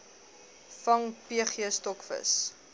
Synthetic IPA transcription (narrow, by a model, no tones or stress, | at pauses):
fɐŋpiəχiəstɔkfə̰s